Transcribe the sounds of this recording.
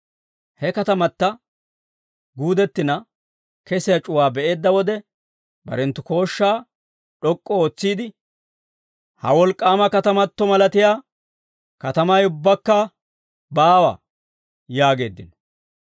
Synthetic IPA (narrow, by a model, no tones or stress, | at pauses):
hɛkɐt̪ɐmɐt̪ːɐ | ɡuːd̪ɛt̪ːɪnɐ | kɛsɪjɐt͡ʃʼʊwaːbɛʔe̞ːd̪ːɐwɔd̪ɛ | bɐ̰ɾɛnt̪ːʊko̞ːʃːaː | ᶑɔkʼːɔoːt͡sːiːd̪ɪ | hɐ̰wɔlkʼːaːmɐkɐt̪ɐmɐt̪ːɔmɐlɐt̪ɪjaː | kɐt̪ɐmɐjʊbːɐkːɐ | baːwɐ̰ | jaːɡe̞ːd̪ːɪnɔ̥